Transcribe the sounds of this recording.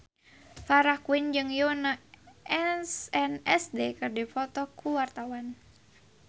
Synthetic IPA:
faɾahkuɪnd͡ʒɨŋjonaɛsɛnɛsdekɨrdifɔt̪ɔkʰuwart̪awan

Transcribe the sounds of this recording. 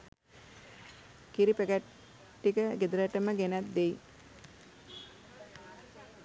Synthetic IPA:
kiɾipəɡæʈ | ʈːikəɡed̪əɾəʈəməɡenæt̪̚d̪ej

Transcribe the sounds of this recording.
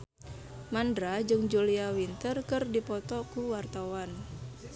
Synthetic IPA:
mandɾad͡ʒɨŋd͡ʒuliawint̪ərkɨrdipɔt̪ɔkuwart̪awan

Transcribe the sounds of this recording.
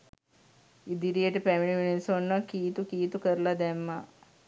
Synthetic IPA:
id̪iɾijəʈəpæmiɳiminisonːəkiːt̪ukiːt̪ukəɾəlad̪æmːa

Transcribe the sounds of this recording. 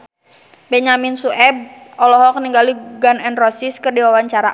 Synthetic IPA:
bɛɲaminsuʔɛb̚ɔlɔɦɔkəniŋɡaliɡanɛnrɔsiskɨrdiwawaɲt͡ʃaɾa

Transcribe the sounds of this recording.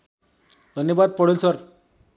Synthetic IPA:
d̪ʱənjəʋad̪̚pəɽelsəɾ

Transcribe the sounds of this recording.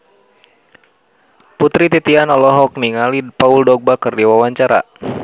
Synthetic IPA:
put̪ɾit̪it̪ianɔlɔɦɔk̚niŋalipauldɔɡ̚bakərdiwawaɲt͡ʃaɾa̰

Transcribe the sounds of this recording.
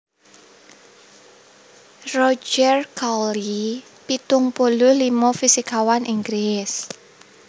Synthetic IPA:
rɔd͡ʒɛrkali | pit̪ʊŋpolʊhlimɔfisikawanʔiŋɡɾɪs

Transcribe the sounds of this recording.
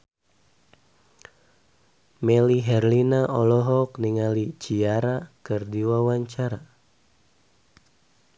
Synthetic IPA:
mɛliɦɛrlinaʔɔlɔɦɔkniŋalit͡ʃiaɾakɨrdiwawaɲt͡ʃaɾa

